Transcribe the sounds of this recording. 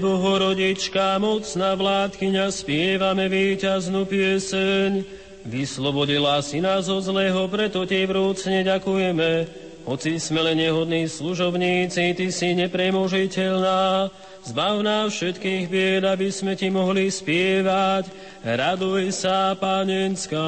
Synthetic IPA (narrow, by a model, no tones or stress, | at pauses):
bɔɦɔɾɔɟit͡ʃkamɔt͡snaʋlaːt̪kiɲaspɪɛʋamɛʋiːcaznupɪɛsɛɲ | ʋislɔbɔɟilasinazɔzlɛːɦɔpɾɛt̪ɔcɛʋɾuːt͡sɲɛɟakujɛmɛ | ɦɔt͡sismɛlɛnɲɛɦɔd̪niːsluʒɔbɲiːt͡sit̪isiɲɛpɾɛmɔʒicɛʎnaː | zbawnaːfʃɛt̪kiːɣbɪɛd̪abismɛcimɔɦlispɪɛʋac | ɾad̪ujsapaːɲɛnska